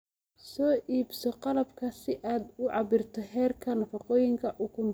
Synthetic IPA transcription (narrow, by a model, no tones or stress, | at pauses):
sɔːʔiːbsɔqɑlɐbkʰɐsɪʔaːd̪ʊʕɑbɪrt̪ʰɔɦɛːrkʰɐnɐfɑqɔːjɪŋkʰɐʔʊkʰʊm